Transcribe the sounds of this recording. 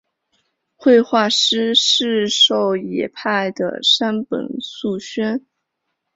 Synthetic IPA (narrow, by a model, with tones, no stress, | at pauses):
xwe˥˧ɪxwa˥˩ʂɻ̩˥ʂɻ̩˥˧ʂo˥˩ʊjɛ˨˩pʰa˥˩ɪd̪ə̰˩ʂa˥npə̰˨˩nsu˥˩ɕɥɛ˥n